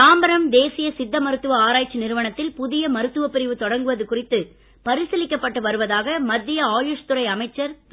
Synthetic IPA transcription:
aːmbɐɾɐmd̪eːsɪjɐsɪd̪ːɐmɐɾɯt̪ːɯʋɐaːɾaːjt͡ʃːinɪɾɯʋɐɳɐt̪ːɪlpʊðɪjɐmɐɾɯt̪ːɯʋɐpːɪɾɪʋɯt̪ɔɽɐŋɡɯʋɐðɯkʊrɪt̪ːɯ | pɐɾɪsɐlɪkːɐpːɐʈːɯʋɐɾɯʋɐðaːɣɐmɐd̪ːɪjɐaːjʊʂt̪ʊɾɐɪɐmɐɪt͡ʃːɐɾ

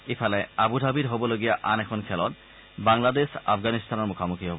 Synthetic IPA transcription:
efaleabud̪ʱabiɾɦoboloɡijaʔanɛkʰonkʰɛlɔt̪ | baŋlad̪eʃa̰fɡanist̪ʰanoɾmukʰamukʰiɦɔb

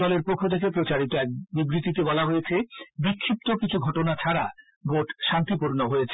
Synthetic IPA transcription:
ɔleɾpokʰːot̪ʰek̬epɾot͡ɕaɾit̪oɛk̚bibɾit̪it̪ebɔlaɦojet͡ɕʰebikʰːip̚t̪okit͡ɕʰuɡʱɔʈonat͡ɕʰaɾa | bʱoʈʃant̪ipuɾnoɦoet͡ɕʰe

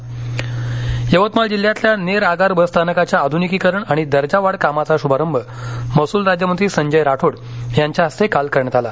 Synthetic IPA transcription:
jəʋət̪mald͡ʑil̤ːjat̪ljaneɾaɡaɾbəst̪ʰanəkat͡ɕjaːd̪ʱunikiːkəɾəɳaɽ̃id̪əɾd͡ʑaʋaɽkamat͡saɕubʱaɾəmbʱəməsuːlɾad͡ʑjəməd̪iːsəɲd͡ʑəjɾaʈʰoɽjaɲt͡ɕjaəst̪ʰekalkəɾɳat̪ala

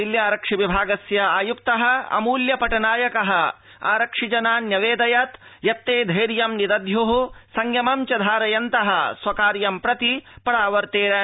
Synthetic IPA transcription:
iljaːɾɐkʂiʋibʱaːɡɐsjɐaːjukt̪ɐɦɐ̆ɐ̰muːljɐpɐʈɐnaːjɐkɐɦɐ̆ | a̰ːɾɐkʂid͡ʒɐnaːnjɐʋeːd̪ɐjɐt̪jɐt̪ːeːd̪ʱɐjɾjɐmnid̪ɐd̪juɦusɐŋɡjɐmɐmt͡ʃɐd̪ʱaːɾɐjɐnt̪ɐɦɐsʋɐkaːɾjɐmpɾɐt̪ipɐɾaːʋɐɾt̪eːɾɐ

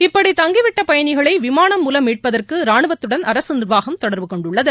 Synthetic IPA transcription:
ɪpːɐɽit̪ɐŋɡɪʋɪʈːɐpɐjɐnɪɣɐɭɐɪʋɪmaːnɐmːuːlɐmiːʈ̚pɐðɐrkɯɾaːɳɯʋɐt̪ːɯɽɐnʔɐɾɐsɯnɪrʋaːɣɐmt̪ɔɽɐɾʋɯkɔɳɖʊɭːɐðɯ

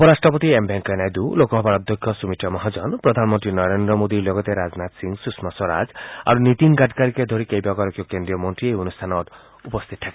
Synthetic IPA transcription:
ɔpɔɾasʈɾɔpɔt̪iembʱeŋkenajd̪ulokɔɦɔbaɾɔd̪ʱjɔkʰːjɔsumiʈʰɔmɔɦad͡ʒɔnpɾɔd̪ʱanmɔ̃nt̪ɾinɔɾend̪ɾɔmod̪ilɔɡɔt̪eɾad͡ʒnat̪siŋɡsusmasɔɾa̰d͡ʒa̰ɾunit̪iŋɡaʈkaɾiked̪ʱoɾikejbaɡɔɾɔkjɔkend̪ɾijɔmɔnt̪ɾiejonust̪ʰanɔt̪ | upɔst̪ʰit̪ɔt̪ʰaka

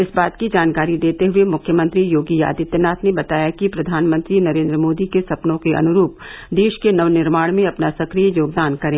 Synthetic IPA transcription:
ɪsbaːt̪kid͡ʒaːnkaːɾid̪eːt̪eɦʊemʊkʰjəmə̃nt̪ɾijoːɡija̰ːd̪ɪt̪ːɐnaːt̪ʰnebɐt̪aːjakipɾɐd̪ʱaːnmə̃nt̪ɾinɐɾẽːnd̪ɾəmoːd̪ikesɐpnõkeʔɐ̰nʊɾuːp̚ | d̪eːʃkenɐʋnɪɾmaːɽmẽɐpnasɐkɾijjoːɡ̚d̪aːnkɐɾẽː

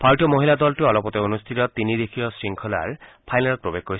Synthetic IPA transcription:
pʰaɹʈijɔmoɦilad̪ɔltuɔlɔpɔt̪eonust̪ʰitɔt̪inid̪ekʰijɔsɹiŋkʰɔla̰ɹpʰajnalɔt̪̚pɹobek̚xkoɹis

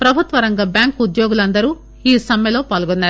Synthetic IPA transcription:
pɾɐbʱut̪ʋɐɾɐŋɡɐbjaːŋkud̪joːɡulɐnd̪ɐɾuː | iːsɐmjɐlo̞ːpaːlɡɔnːaːɾu

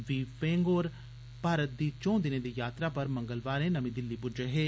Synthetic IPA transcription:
ʋiːfẽːŋɡoːɾ | paːɾət̪̚d̪iːt͡ʃɔ̃ːd̪ɪned̪iːjaːt̪ɾapɐɾmɐ̃ŋɡəlʋaːɾẽnɐmĩːd̪ɪlːibʊd͡ʒeɦeː

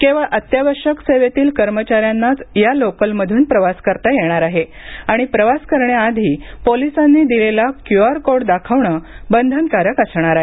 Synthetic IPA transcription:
kẽʋaʔət̪jaʋəɾʂəkseʋet̪iːlkəɾmət͡ɕaɾjanːat͡sjalokəlməd̪ʱuːnpɾəʋaskəɾt̪ajeɽ̃aɾaɦe | aɽ̃ipɾəʋaskəɾɳjaːd̪ʱiːpolisanːiːd̪ilelakjuaɾkoɽd̪akʰəʋɳəbənd̪ʱənkaɾəkasɳ̃aɾaɦe

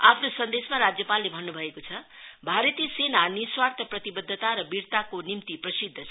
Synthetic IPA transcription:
apʰnosʌnd̪esmaɾad͡zjʌpalːebʱʌnːubʱʌekot͡sʰʌbʱaɾʌt̪iʌsenaniswart̪ʰʌprʌt̪ibʌd̪ʱːt̪aɾʌbiɾt̪akonimt̪iprʌsid̪ʱːʌt͡sʰʌ

